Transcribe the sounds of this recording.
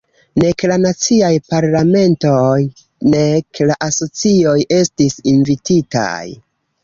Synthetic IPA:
ne̞klanat͡siajpaɾlame̞ntoj | neklaʔaso̞t͡sio̞je̞stisinvitita̰j

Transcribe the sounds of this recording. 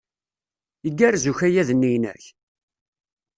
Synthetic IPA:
əɡːæɾzuçæjæðənːijnæ̰ç

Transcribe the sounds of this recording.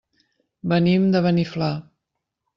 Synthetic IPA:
bənimd̪əβənifla

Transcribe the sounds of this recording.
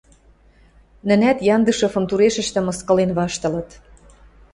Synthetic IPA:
nə̆næt̪jɑnd̪əʃɤ̆fɤ̆mt̪uɾeʃə̆ʃt̪ə̆mɤ̆skɤ̆lenβɑʃt̪ɤ̆lɤ̆t̪

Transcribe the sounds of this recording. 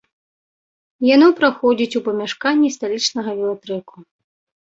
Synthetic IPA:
janɔpɾaxɔd͡zʲit͡sʲupɐmʲaʂkanʲːist̪alʲit͡ʂnɐɣɐvʲɛlˠat̪ɾɛku

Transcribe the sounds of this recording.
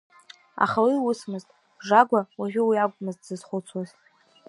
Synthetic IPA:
a̰χawiwʊsmɨztʼ | ʐaɡʷawaʒᶣʷʊwiaɡʷʼmɨztʼzɨzχʷʊt͡sʰwazʼ

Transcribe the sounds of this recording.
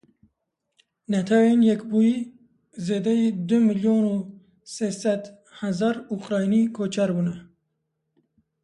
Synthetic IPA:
nat̪ʰawenjɛkbuji | zeːd̪ɛjid̪ʊmiljoːnu | sesæd̪ | hazɑɾukʼɾɑːjinikʰoːt͡ʃʰaɾbunɛ

